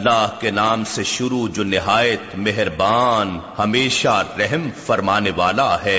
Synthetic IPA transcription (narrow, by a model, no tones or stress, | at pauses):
lːaːɦkenaːmseʃʊɾud͡ʒoːnɪɦaːjət̪meɦɾbaːnhɐmeːʃaɾɛɦmfɐɾmaːneʋaːlaɦɛː